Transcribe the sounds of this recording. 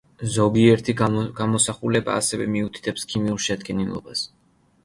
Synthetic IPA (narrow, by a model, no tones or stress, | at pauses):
zɔɡiɛɾt̪ʰiɡ̥amɔsaχulɛba̰ːsɛvɛ̰miut̪ʰi̥t̪ʰɛpskʰimiuɾˠʃɛd̪ɡʼɛnilˠɔ̰bas